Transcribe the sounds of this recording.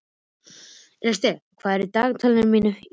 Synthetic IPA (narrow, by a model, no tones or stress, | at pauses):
ɛst̪ɛkʰvaːðɛɾit̪aːɣt̪ʰœlnɪɾmiːnʏ